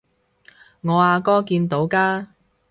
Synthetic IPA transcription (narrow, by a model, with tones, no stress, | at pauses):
ŋɔː˨˧aː˨˧kɔː˥kiː˧nt̪o˨˥wkaː˥